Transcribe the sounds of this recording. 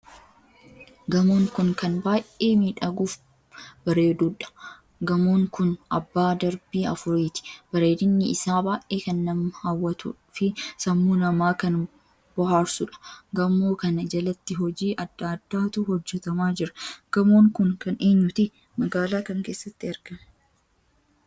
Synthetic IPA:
ɡɐmoːŋkʊŋkɐnbaːʔʔeːmiᶑɐɡuːf | b̥ɐɾeːd̪uːᶑɐ̥ | ɡɐmoːŋkʊnɐbːaːd̪ɐɾbiːɐfʊɾiːt̪ɪ̥b̥ɐɾe̞ːd̪ɪnːɪɪsaːbaːʔeːkɐnːɐmɐhawːɐt̪ṵᶑfɪsɐmːuːnɐmaːkɐn | b̥ɔɦaːɾsʊᶑɐ̥ɡɐmoːkɐnɐd͡ʒɐlɐt̪ːɪɦɔd͡ʒiːʔɐd̪ːad̪̥ːaːt̪uːhɔd͡ʒːɛt̪ɐmaːd͡ʒɪɾɐ̥ɡ̥ɐmoːŋkʊŋkɐneːɲːʊt̪ɪ | mɐɡaːlaːkɐŋke̞ːsːɐt̪ːɪɐɾɡ̥ɐmɐ

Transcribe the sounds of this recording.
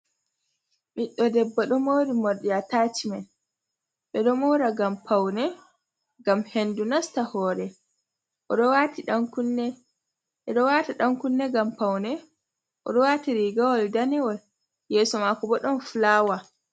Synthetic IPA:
miɗːɔdɛbːaɗɔmowɾimɔɗiataːt͡ʃiman | ɓɛɗɔmɔwɾaɡampawnɛ | ɡamhendunastahɔːɾɛ | ʔɔɗɔwatiɗaŋkunːɛ | ɓɛɗɔwaːtaɗaŋkunːɛɡampawnɛ | ʔɔ̰ɗɔwaːtiɾiɡawɔldanɛwɔl | jɛːsɔmakɔbɔɗɔnflaːwa

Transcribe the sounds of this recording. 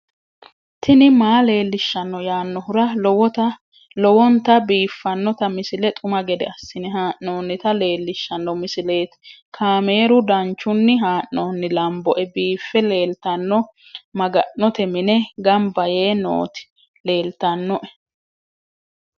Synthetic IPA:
t̪ʰɪnɪmaːle̞ːlːɪʃːɐnːɔjaːnːɔhʊɾɐw | lɔwɔnt̪ɐbiːfːɐnːɔt̪ɐmɪsɪlɛt̪ʼʊmɐɡɛd̪ɛɐsːɪnɛɦaːʔnoːnːɪt̪ɐle̞ːlːɪʃːɐnːɔmɪsɪleːt̪kʰaːme̞ːɾʊd̪ɐnt͡ʃːʊnːɪɦaːʔːoːnːɪlɐmbɔʔɛbiːfːɛleːlt̪ɐnːɔ | mɐɡɐʔːɔt̪ɛmɪnɛɡɐmbɐje̞ːno̰ːt̪ɪ̥ | le̞ːlt̪ɐnːɔʔɛ̥

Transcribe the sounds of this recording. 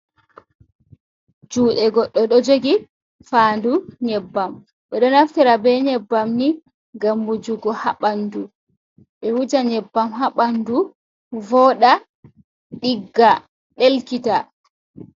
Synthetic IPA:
d͡ʒuːɗɛɡɔɗːɔɗɔd͡ʒoɡi | faːnduɲɛbːam | ɓɛɗɔnaftiɾabɛɲɛbːamni | ɡamːud͡ʒuɡɔhaɓandu | ɓɛwud͡ʒaɲɛbːamɦaɓandu | vɔɗa | ɗiɡːa | ɗelkita

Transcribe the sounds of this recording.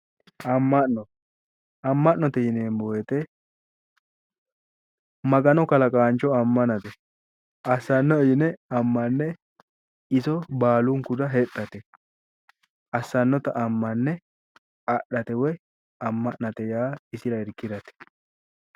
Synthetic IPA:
ɐmːɐʔnɔ | ɐmːɐʔnɔt̪ɛjɪneːmbojɛt̪ɛ | mɐɡɐnɔkɐlɐkʼaːnt͡ʃɔɐmːɐnɐt̪ɛ | ʔɐsːɐnːɔjɪnɛɐmːɐnːɛ | ɪsɔbaːlʊŋkʊd̪ɐɦɛt̪ʼːɐt̪ɛ | ɐsːɐnːɔt̪ɐʔɐmːɐnːɛ | ɐɗɐt̪ɛwɛ | ɐmːɐʔnɐt̪ɛjaːɪsɪɾɐɪɾkːɪɾɐt̪ɛ̥

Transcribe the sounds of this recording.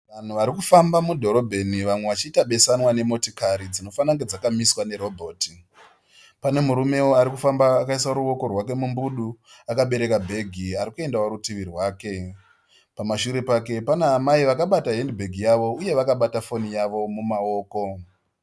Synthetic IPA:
ʋan̤uʋaɾikufambamudʱo̞ɾo̞bʱe̞niʋamwe̞ʋat͡ʃiːtaɓe̞sanwane̞mo̞tikaɾid͡zino̞fanaŋɡe̞d͡zakamiswane̞ɾo̞bʱo̞ːti | pane̞muɾume̞wo̞aɾikufambaːkaisaɾuo̞ko̞rwake̞mumbuɗu | akaɓe̞ɾe̞kabʱe̞ɡʱiaɾikue̞ndawaɾutiʋirwaːke̞ | pamaʃuɾe̞pake̞panaːmaiʋakaɓataɦendbʱeɡʱijaʋo̞uje̞ʋakaɓatafo̞nijaʋo̞mumao̞ːko̞

